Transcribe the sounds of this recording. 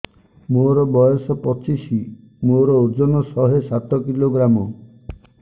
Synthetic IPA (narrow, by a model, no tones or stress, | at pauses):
moɾɔbɔjɔsɔpɔt͡ʃisi | moɾɔuɾd͡ʒɔnɔsɔɦesaʈɔkiloɡɾamɔ